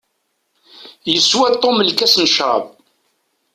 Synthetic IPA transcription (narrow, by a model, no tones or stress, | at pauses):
jəswæt̪ˤːomlkæsnəʃɾˤɑ̰b